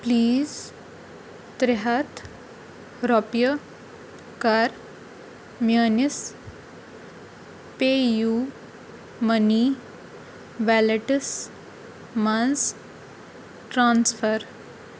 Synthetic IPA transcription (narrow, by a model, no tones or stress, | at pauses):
pliːz | t̪ɾɪɦat̪ʰ | ɾɔpjə | kɐɾ | mjəːnis | peːju | məni | ʋɛleʈəs | mɐns | ʈɾãːnsfəɾ